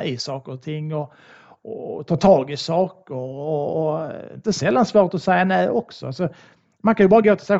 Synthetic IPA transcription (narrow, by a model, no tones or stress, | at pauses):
ɪsɑːkəɾɔt̪ʰɪŋːɔ | ɔt̪ʰɑːt̪ʰɑːɡɪsɑːkəɾɔɔɪ̰nt̪əsɛlːansvoːɾt̪ɔsɛjːanɛjʔɔksɔ̰alsɔ | mankʰanjɵbɑːɾaɡoːt̪ʰɪlsɛ